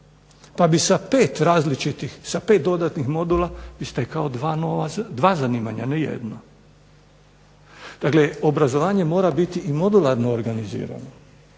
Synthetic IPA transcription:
pabisapeːt̪ɾaːzlit͡ʃit̪ixsapet̪̚d̪o̞d̪at̪nixmo̞d̪ulaʋist̪ekaod̪anoʋad̪ʋaːzaniːma̰ɲa̰nɛjḛd̪no | d̪̥akleobɾazo̞ʋaːɲe̞mo̞ːɾabit̪iimo̞d̪ulaɾnoːɾɡanizḭːɾa̰no

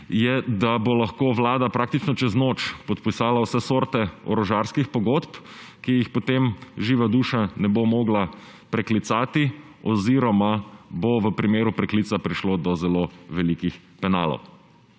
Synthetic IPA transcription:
jɛd̪abolaxkoʋlaːd̪apɾaːk̚t̪it͡ʃnɔt͡ʃɛznot͡ʃpɔt̪pisaːlausɛsoːɾt̪ɛɔ̰ɾɔʒaɾskixpɔɡot̪pkijixpot̪emʒiːʋad̪uːʃanɛbomoːɡla | pɾɛklit̪saːt̪i | ɔziɾɔmaboʋəpɾimeːɾupɾɛkliːsapɾiʃlod̪ɔzɛloʋɛlikix | pɛna̰ːlɔ̰w

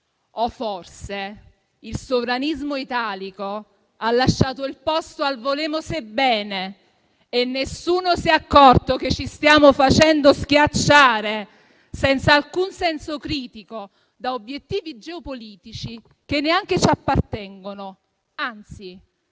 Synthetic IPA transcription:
ɔfːorse | ilsovɾanizmoit̪aːliko | alːaʃːaːt̪oilpɔst̪oalvoleːmosebːɛːneː | nːesuːnosiakːɔrt̪oket͡ʃːist̪jaːmofat͡ʃɛnd̪osk̟jat͡ʃːaːɾe | sɛnt̪saːlkunsɛnsokɾiːt̪iko | d̪aobjet̪ːiːvid͡ʒɛopoliːt̪it͡ʃi | k̟enːeaŋk̟et͡ʃapːart̪ɛŋɡono | ant̪si

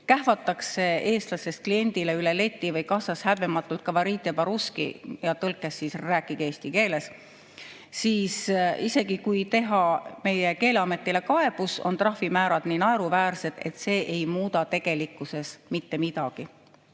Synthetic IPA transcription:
kæɦvɑt̪ːˑɑkse̞e̞ːst̪lɑsest̪̚klie̞nʲd̪̥ileyle̞le̞t̪ʲːˑivɤjkɑsɑshæbemɑt̪ːˑult̪̚kɑvɑɾiːt̪ːˑjepɑɾuskḭjɑt̪ɤlkːˑesːisræːkːˑike̞ːst̪ike̞ːle̞s | siːsise̞ɡ̥ikujt̪e̞ɦɑme̞je̞ke̞ːleɑme̞t̪ːˑile̞kɑe̞b̥uso̞̰nt̪rɑhfimæːɾɑd̪̥ninɑeɾuvæːrse̞d̪̥e̞̰t̪ːˑse̞ːʔejmuːd̪ɑt̪e̞ɡ̥e̞likːˑuse̞smit̪ːe̞mid̪̥ɑɡ̥i

